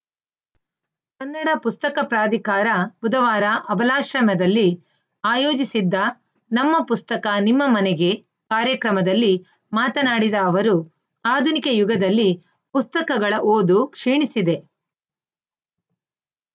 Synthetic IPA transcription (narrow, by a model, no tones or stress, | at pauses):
kɐnːɐɽɐpust̪ɐkɐpɾaːd̪ʱikaːɾɐbud̪ɐʋaːɾɐʔɐbɐlaːʃɾɐmɐd̪ɐlːi | aːjo̞ːd͡ʒisid̪ːɐ | nɐmːɐpust̪ɐkɐnimːɐmɐnɛɡe̞ | kaːɾjɐkɾɐmɐd̪ɐlːi | maːt̪ɐnaːɽid̪ɐːʋɐɾu | aːd̪ʱunikejuɡɐd̪ɐlːi | pust̪ɐkɐɡɐɭɐʔoːd̪ukʂiːɳisid̪e̞